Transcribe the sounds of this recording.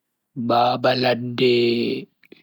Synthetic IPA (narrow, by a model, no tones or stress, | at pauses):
baːbaladːɛ